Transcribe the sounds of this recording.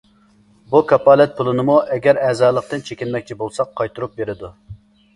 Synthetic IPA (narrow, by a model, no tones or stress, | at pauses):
bukʰɑpɑːlɛt̪̚pʰulˠɨnɨmuʔɛɡʲɛɾɛzɑːlˠəq̚t̪ɨnt͡ʃʰekʲinmɛkʲt͡ʃʰibolˠsɑqʰːɑjt̪ʰuɾup̚beɾɪd̪u